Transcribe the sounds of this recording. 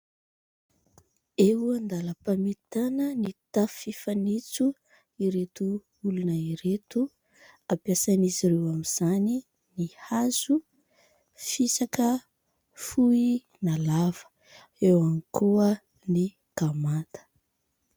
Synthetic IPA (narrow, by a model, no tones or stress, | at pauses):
eɦuand̪aləpamit̪anənit̪afifanit͡su | iɾet̪u | ulunəiɾet̪u | apjasaniziɾewamiz̥ani | nihazu | fisakə | fui | nalav̥ə̥ | ewankʰuə | ni | ɡ̥amat̪ə̥